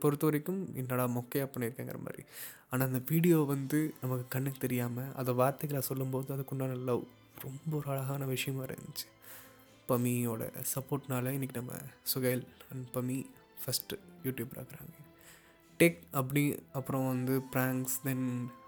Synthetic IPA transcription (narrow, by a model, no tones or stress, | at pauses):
pɔɾɯt̪ːɯʋɐɾɛkːɯmɪnːɐɽaːmɔkːejɐpːɐɳɐ̃ɪɾɯkːeːŋɡɐɾɐ̰mʔa̰ːd̪ɾḭ | aːnaːɪnd̪ɐʋiːɽɪjoːʋɐnd̪ɯnɐmɐkːɯkɐɳːɯkːɯt̪ɛɾɪjaːmɐʔɐ̰ðɐʋaːɾt̪ɐɣɐlaːsɔlːɯmpoːðɯɐðɯkːɔɳɖaːnɐlːɐ | ɾɔmbɐɔɾɯɐlɐɣaːnɐʋɪʂɐjɐmːʋɐɾɐ̰nɪt͡ʃːɯ̥ | pɐmːioːɽɐ̰sɐpːoːɾʈnaːlɐɪnːɪkːinɐmːɐ̰sʊɣɐːlɐnpɐmːi | fɐsʈjuːʈjuːbɾa̰ːkɪɾa̰ːŋɡɐ | ʈeːkɐpːɐɽiɐpːɯɾõʋɐnd̪ɯpɾaːŋksd̪ɛn